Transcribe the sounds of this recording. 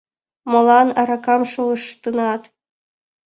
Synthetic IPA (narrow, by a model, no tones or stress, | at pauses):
mŏlˠɑnɑɾɑkɑmʃolɤʃt̪ɯnɑt̪